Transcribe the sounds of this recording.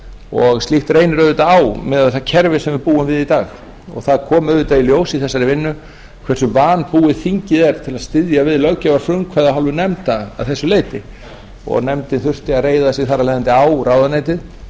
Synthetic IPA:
ɔɣst̪lixt̪reːjnɾœɥðɪt̪aaːwmɛːðaɛθacʰɛɾvɪsɛmvɪɾpuːʏmvɪðit̪aːɣ | ɔ̰ɣθaðkʰɔːmœvʏɾt̪ailjoːwsiθɛsːaɾɪvɪnːʏ | kʰvɛr̥sʏvaːnpuːɪθiɲcɪðɛɾt̪ʰɪlaðst̪ɪðjavɪðlœɣcːavaɾfʏmkʰvɛðaɦalvʏnɛmt̪a̰ːðθɛsːʏleːjt̪ɪ | ɔ̰ɣnɛmt̪ɪnθʏr̥t̪ɪareːjðasjɪɣθaɾːalɛjðɪnt̪ɪaːwrawðanejt̪ɪð

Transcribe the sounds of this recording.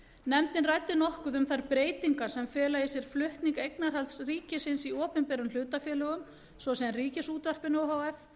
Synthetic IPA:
nɛmt̪ɪnraːjt̪ɪnɔhkʏðʏmθaɾpɾeːjt̪iŋkaɾ̥sɛmfɛːlajɪsjɛɾ̥flʏht̪niŋkejknaɾ̥halt̪sriːcɪsɪnsiɔːpɪmpɛɾʏml̥ʏːt̪afjɛːlœɣʏm | svɔsɛanriːcɪsuːt̪var̥pɪnɔɦawɛf

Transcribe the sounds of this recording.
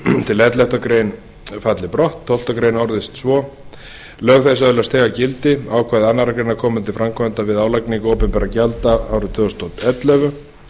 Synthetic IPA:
t̪ʰɪlɛt̪lɛht̪akɾeːjn | fat̪lɪpɾɔht̪ʰːɔwl̥t̪akɾeːjnɔɾðɪst̪svɔ | lœːɣθɛsːaɛlʏast̪ɛːɣacɪlt̪ɪaːwkʰvaːðɪanːaɾakɾejnakʰɔːmʏt̪ʰɪlfɾamkʰɔɛnt̪avɪðaːwlakniŋkoːwpɛmpɛːɾacalt̪aawɾʏt̪ʰʏɔst̪ʰɔt̪ɛt̪lœːvʏ

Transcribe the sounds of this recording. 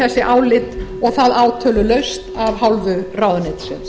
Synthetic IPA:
ɛsːɪʔaːwlɪt̪ɔɣθaðaːwt̪ʰœːlʏlœɥst̪avɦawlvʏrawðanɪt̪sɛ̰ns

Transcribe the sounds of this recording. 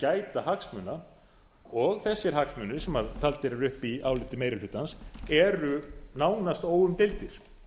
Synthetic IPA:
caːjt̪ahaksmʏːna | ɔɣθɛsːɪɾ̥ɦaksmʏnɪɾ̥sɛmaɾt̪ʰalt̪ɪɾɪɾʏhpiaːwlɪht̪ɪmejɾɪlʏt̪ːansɛɾʏnaːwnast̪oːwʏmt̪elt̪ɪɾ̥

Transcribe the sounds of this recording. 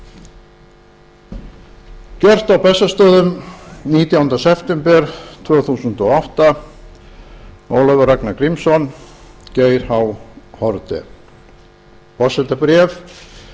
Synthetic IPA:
cɛr̥t̪awpɛsːast̪œːðʏmniːt̪jawnt̪asɛft̪ɛmpɛɾ̥t̪ʰvœːθuːsʏnt̪ɔɔht̪a | oːwlœvʏɾaknakɾimsɔn | ceːjɾ̥hawhɔɾt̪ɪ̰ | pɔsɛt̪apɾɛf

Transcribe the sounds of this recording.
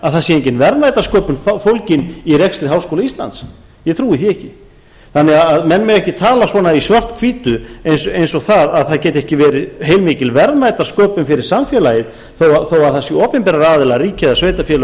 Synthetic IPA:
aðθasjeɲcɪnvɛɾðvajt̪askɔːpʏnffowlcɪniɾɛkst̪ɾɪɦawskowlaist̪la̰nt̪s | jɛt̪ʰɾuːɪθiɛhcɪ | θanːɛɣaaðmɛnːmɛɣɛhcɪt̪ʰaːlasvɔːnaisvœr̥t̪kʰviːt̪ʏejnsejnsɔɣθaðaðθaðcɛːt̪ɛhcɪvɛːɾɪɦeːjlmɪːcɪlvɛɾðmaːjt̪askɔːpʏmfɪɾɪɾ̥samfjɛlajɪð | θowaθowaðθasɪɔːpɛmpɛːɾaɾaːðɪlariːcɪðasveːjt̪afjɛl

